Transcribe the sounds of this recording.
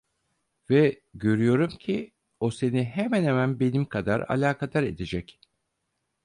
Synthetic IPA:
vɛ | ɟø̞ɾyjo̞ɾumcʰi | o̞se̞niɦemænhemænbe̞nimkʰad̪a̰ɾa̰lʲaːkʰad̪aɾe̞d̪ed͡ʒɛc

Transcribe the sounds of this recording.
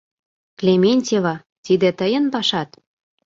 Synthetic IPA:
klʲemʲenʲtʲevɑ | t̪id̪ĕt̪əjə̆npɑʃɑt̪

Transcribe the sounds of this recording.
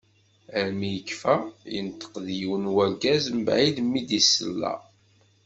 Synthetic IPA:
əɾmijəkːfæjənt̪ːə̥qðjiwənwæɡæzmbʕid̪mːid̪isə̰lːæ̰

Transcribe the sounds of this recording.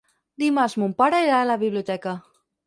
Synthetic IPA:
d̪imazmumpaɾaiɾaːlaβiβliut̪ɛka

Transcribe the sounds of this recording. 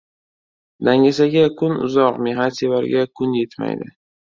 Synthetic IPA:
d̪aŋʲasaɡʲakʰʊnʊ̰zɒqmeɦat̪sevaɾɡʲakʰʊnje̞t̪ma̰jd̪ɪ̰

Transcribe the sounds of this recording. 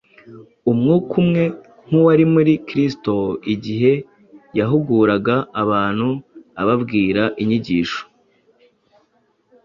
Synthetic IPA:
umŋuːkʰumŋe̞ | ŋ̥uwaɾimuɾikɾisto̞iɟiɦe̞ | jaɦuɡuːɾaɡaːβaːn̥huaβabɡiːɾaʔiɲiɟiːʃo̥

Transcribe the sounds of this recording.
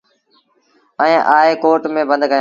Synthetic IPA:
ɛ̃ːʔaːeːkoːɾʈmẽːbə̃nd̪kəjã

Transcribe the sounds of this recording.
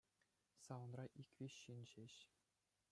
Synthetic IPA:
sɑʋɤ̆nrɑʔikʲʋʲiɕːinʲʑeɕ

